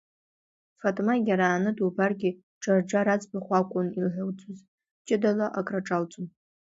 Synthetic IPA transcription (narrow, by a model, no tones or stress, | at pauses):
fatʼmaɡʲaɾaːnɨdubarɡʲi | ʈ͡ʂʼard͡ʒaɾat͡sʼbaχʷakʷʼʊnilħʷawt͡sʰʼʊz | t͡ʃʼɪdalaʔakʼraʈ͡ʂʼalt͡sʼʊm